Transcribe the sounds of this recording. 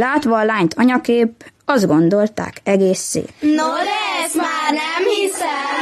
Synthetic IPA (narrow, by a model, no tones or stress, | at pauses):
laːt̪ʋɒːlaːɲt̪ʰɒɲɒkeːp̚ɒzd̪̚ɡo̞nd̪o̞lt̪a̰ːkɛɡeːsːḛːt̪nozmaːnɛmhisɛ